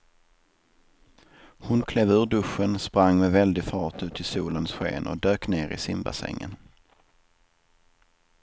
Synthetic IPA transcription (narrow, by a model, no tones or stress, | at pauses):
hʊnkʰlɛːvʉːɖɵʂːənspɾaŋːmɛvɛld̪ɪɡfɑːʈʉ̟ːt̪ʰɪlsuːlənsɧḛːnʔɔ̰d̪øːkneːɾɪ̰sɪmba̰sɛ̰ŋːə̰n